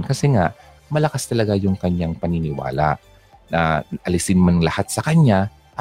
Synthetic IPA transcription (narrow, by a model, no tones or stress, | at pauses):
nkɐsɛŋaʔ | mɐlɐkast̪ɐlɐɡajʊŋkɐɲːaŋpɐnɪnɪwa̰ːla̰ʔ | nɐʔɐlɪsɪnmanlɐhat̪̚sɐkɐɲa | ʔ